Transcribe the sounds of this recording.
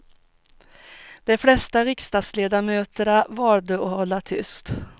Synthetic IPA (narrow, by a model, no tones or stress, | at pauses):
d̪̥ɛflɛst̪aɾɪkst̪ɑːd̪sleːd̪amøːt̪əɳavɑːɾd̪əɔhɔlːat̪ʰʏ̰st̪